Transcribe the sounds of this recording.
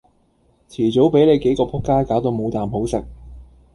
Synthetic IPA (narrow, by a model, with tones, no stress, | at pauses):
t͡sʰiː˨˩t͡so˨˥wpe˨˥jle˨˧jke˨˥jkɔː˧pʰʊ˥kːaː˥kaː˨˥wt̪o˨˧wmo˨˧wt̪aː˨mɦo˨˥wsɪ˨k̚